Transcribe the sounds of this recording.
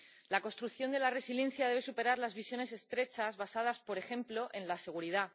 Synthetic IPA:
lako̞nst̪ɾukθjo̞nd̪e̞lare̞sile̞n̟θjaðeβe̞supe̞ɾaɾlazβisjo̞ne̞se̞st̪ɾe̞t͡ʃazβasað̞aspo̞ɾe̞xẽ̞mplo̞ʔẽ̞nlase̞ɣ̞uɾiða

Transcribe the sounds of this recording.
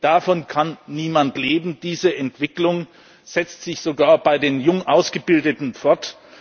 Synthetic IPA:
d̥afɔnkʰanːiːmantleːbm̩d̥iːzəʔɛntv̥ɪklʊŋ | z̥ɛt͡stz̥ɪçz̥oɡaːɐbaɪdeːnjʊŋʔaʊsɡ̥əbɪldətn̩fɔɐt

